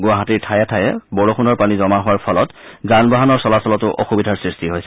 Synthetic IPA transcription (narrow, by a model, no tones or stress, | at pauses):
ɡʊaɦatiɹtʰajɛtʰajɛ̰bɔɹoxunɔɹpanizɔmaɦʊwaɹpʰɔlɔtzanbaɦanɔɹsɔlasɔlɔtʊʔɔ̰xubidʱaɹsɹistiɦojsɛ